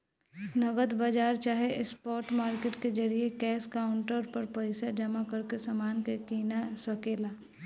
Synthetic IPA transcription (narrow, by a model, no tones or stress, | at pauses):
nɐɡəd̪bəd͡ʒaːɾt͡ʃaːɦeʔɪspɔːɾʈmaːɾkeːʈked͡ʒɐɾiekɛːskaːʊɳʈəɾpəɾpəɪsad͡ʒəmakəɾkesamaːnkekiːnasəkeːlaː